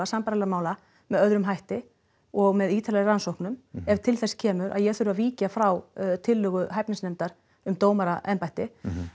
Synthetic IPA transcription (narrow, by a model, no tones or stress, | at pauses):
asampaɾalɛmaːwla | mɛðœðɾʏmɦajht̪ɪ | ɔɣmɛðiːt̪ʰalɛransowhknʏmɛv̥t̪ʰɪlθɛscʰɛːmʏɾʔa̰ðjɛɣθʏɾʏaðviːcafɾawt̪ʰɪlːʏɣʏɦajpnɪŋsnɛmt̪aɾ̥ | ʏmt̪oːwmaɾaʔɛnpajht̪ɪ